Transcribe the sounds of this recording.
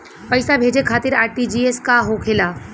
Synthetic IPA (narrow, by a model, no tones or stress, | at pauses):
pɐɪsabʱeːd͡ʒekʰaːt̪ɪɾaːɾʈid͡ʒiːeskaɦokʰelaː